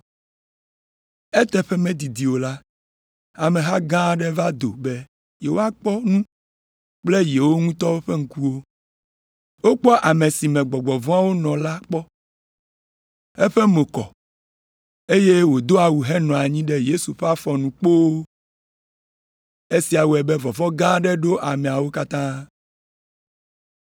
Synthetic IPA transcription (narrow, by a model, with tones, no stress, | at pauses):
ɛ˦t̪ɛ˦ɸɛ˦mẽ˦d̪i˨d̪i˨wo˨la˦ | a˨mẽ˨ɦa˦ɡã˦ɖɛ˦va˦d̪o̰˨bɛ˦ | je˨wo˦a˦k͡pɔ˦nũ˦ | k͡ple˦je˨wo˦ŋũ˦t̪ɔ˦wo˦ɸe˦ŋ̩˦ku˦wo˦ | wo˦k͡pɔ˦ʔa˨me˨si˨mɛ̃˨ɡ͡bɔ˨ɡ͡bɔ˨vɔ̃˦a˦wo˦nɔ̃˨la˦k͡pɔ˦ | e˦ɸɛ˦mo˨kɔ̰˨ | e˦je˦wo˨d̪o˦a˨wu˨ɦɛ˦nɔ̃˨a˨ɲĩ˦ɖe˦je˦su˨ɸe˦a˦fɔ˨nũ˨k͡po˦ | e˦si˦a˨wo˨ɛ˨bɛ˦vɔ˨vɔ˦ɡã˦ɖɛ˦ɖo˦ʔa˨mẽ˨a˨wo˦ka˦t̪ã˦